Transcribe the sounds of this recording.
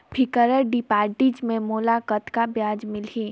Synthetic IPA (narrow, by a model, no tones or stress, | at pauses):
bʰʱɪkəɾəɾɖɪpaːɾʈid͡ʒmẽmʊːlakət̪kabjaːd͡ʒmɪlɦĩː